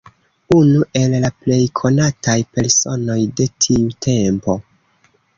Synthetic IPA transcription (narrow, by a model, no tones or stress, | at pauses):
unuʔe̞lːaple̞jkʰo̞natajpe̞ɾso̞no̞jde̞tʰiutʰe̞mpo̞